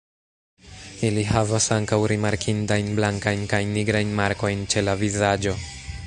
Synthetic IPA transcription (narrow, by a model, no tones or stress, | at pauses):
iliɦavasaŋkawɾimaɾkʰintajnblaŋkajnkajnːiɡɾajnmaɾko̞jnt͡ʃe̞lavizad͡ʒo̞